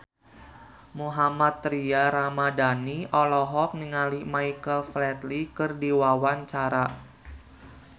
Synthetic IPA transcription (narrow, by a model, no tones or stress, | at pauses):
muɦamat̪ːɾiaɾamadaniʔɔlɔɦɔk̚niŋalimaikəlflɛt̪likɨrdiwawant͡ʃaɾa